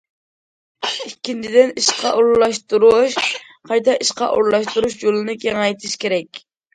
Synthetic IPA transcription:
ikʲʰːint͡ʃʰid̪ɪniʃqʰɑʔoɾllˠɑʃt̪uɾuʃ | qʰɑjt̪ʰɑiʃqɑ̰ʔo̰ɾlˠɑʃt̪uɾuʃjolˠɨnɨkʲʰeŋɑjt̪ʰiʃkʲeɾɛk̚ʲ

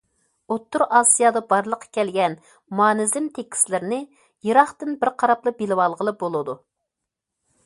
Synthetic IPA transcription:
ot̪ːuɾɑsijɑd̪ɑbɑɾlˠəqʰːɑ̥kʲʰɛlɡʲɛn | mɑːnɪzɪmt̪ʰekʲʰi̥slɪɾnɪ | jiɾɑχt̪ɨnbɪɾqʰɑɾɑplˠɨbelɪwɑlˠʁəlˠɨbolˠɨd̪u

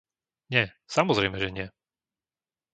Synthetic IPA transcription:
ɲɛ | samɔzɾɛjmɛʒɛɲɪɛ

